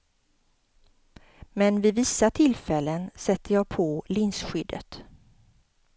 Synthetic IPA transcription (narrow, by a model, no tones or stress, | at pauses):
mɛnvɪvɪsːat̪ʰɪlfɛlːənsɛt̪ːəjɑːɡ̚pʰɔlɪnsɧʏd̪ːə̰t̪